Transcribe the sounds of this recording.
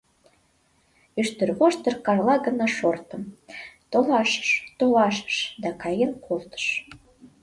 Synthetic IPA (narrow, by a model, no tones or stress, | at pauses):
yʃt̪ə̆rβoʃt̪ərkɑrlɑɣənɑʃort̪əmt̪olɑʃə̥ʃt̪olɑʃə̥ʃd̪ɑkɑjenkʰolˠt̪ə̥ʃ